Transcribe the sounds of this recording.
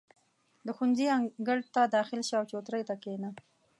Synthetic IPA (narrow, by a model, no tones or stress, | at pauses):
d̪əxunziaɡəɽt̪ad̪ɑxɪlʃawt͡ʃot̪ɾəjt̪akena